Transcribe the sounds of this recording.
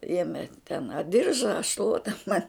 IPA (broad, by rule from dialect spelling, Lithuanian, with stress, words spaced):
ˈeːmʲɛ tʲɛn ɐ ˈdʲɪrʒɐ ɐ ˈʃlˠuɔtɐ mɐn